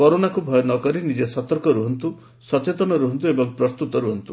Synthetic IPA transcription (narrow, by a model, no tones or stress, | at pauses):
kɔɾonakubʱɔjɔnɔkɔɾinid͡ʒesɔt̪ɔɾkɔɾuɦɔnt̪u | sɔt͡ʃet̪ɔnɔɾuɦɔnt̪̬uebɔŋpɾɔst̪ut̪ɔɾuɦɔnt̪u